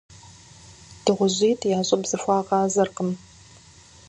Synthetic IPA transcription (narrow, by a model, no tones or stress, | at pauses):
d̥ɨʁʷʊʑiːtʰjaːɕʼɐbz̥ɨfʷɑːʁɑːzɐrqəm